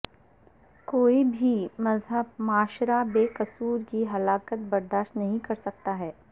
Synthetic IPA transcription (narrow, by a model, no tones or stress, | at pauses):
koːibʱimɐzɦəb̚maːʃɾabeːkɐsuːɾkiɦɐlaːkət̪̚bɐɾd̪aːʃt̪nɐɦĩkɐɾsɐk̚t̪aɦɛː